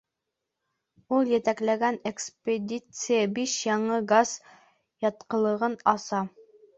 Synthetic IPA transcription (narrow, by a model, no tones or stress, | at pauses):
ulˠjɘ̆t̪æklæɡænekspʲed̪ʲit̪sɨjəbiʃjɑɴɤɡaz | jɑt̪qɤ̆lˠɤ̆ʁɤnɑsɑ